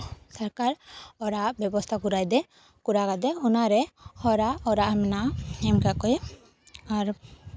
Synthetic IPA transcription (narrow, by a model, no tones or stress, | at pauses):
saɾkaɾɔɾaʔbjɛbɔst̪ʰakuɾajd̪ɛ | kuɾakad̪ɛunaɾɛhɔɾaʔɔɾaʔmɛnaʔɛmkakɔj | aɾ